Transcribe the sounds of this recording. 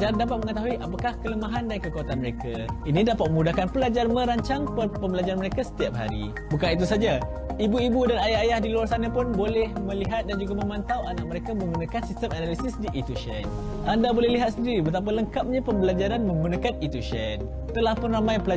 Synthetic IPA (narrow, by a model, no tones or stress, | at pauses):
d͡ʒadapat̪̚mə̃ŋət̪aɦuiʔapakahkələmaɦandaɾikəkuat̪anməɾekainidapat̪̚məmudahkanpəlad͡ʒarmə̃ɾaɲt͡ʃaŋpəpəmbəlad͡ʒaɾanməɾekasə̥t̪iap̚ɦa̰ɾḭ | bukanit̪usad͡ʒa | ibuibudanajaɦajahdiluarsanapʊnbolɛhmə̃liɦat̪̚dand͡ʒuɡamə̃mant̪awʔanaʔ̚məɾekamə̃ŋɡunakansist̪əmanalisɪsdiʔit̪uʃɛ̰n | ʔandabolɛhliɦat̪̚səndiɾibət̪ap̬aləŋkap̚ɲapəmbəlad͡ʒaɾanmə̃ŋɡunakanit̪uʃɛn | t̪əlahpʊnramãjpəla